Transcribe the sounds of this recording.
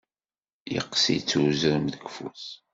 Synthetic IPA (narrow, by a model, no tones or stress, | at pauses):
jə̰qːsḭt͡sːuzəɾəmðəɡfus